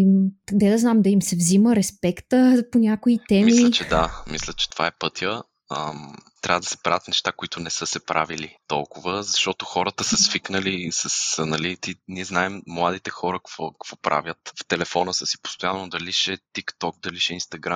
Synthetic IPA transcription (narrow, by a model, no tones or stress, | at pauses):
d̪ɛd̪ɐznamd̪ɐimsɛvziməɾɛspɛkt̪əponʲakoit̪ɛmiliət͡ʃɛd̪amislʲət͡ʃɛ̥t̪ova̰ɛpɤt̪jə | əmt̪ɾʲʔavəd̪ɐsɛ̥pɾa̰vət̪nɛʃt̪akoit̪ʊnɛsɤsɛpɾʔa̰vilit̪ɔ̰lˠkʊvəzɐʃt̪ɔt̪oxɔɾət̪əsəsfiknəlisəsənɐlit̪iniɛznaɛmːlˠad̪it̪ɛxɔɾəkɐ̥kvɔkkvɔpɾʔa̰vʲjət̪ft̪ɛlɛfɔnəsəsi̥po̥st̪ojanːod̪ɐliʃɛt̪ikt̪ɔk̚d̪ɐliʃɛinst̪ɐɡɾamm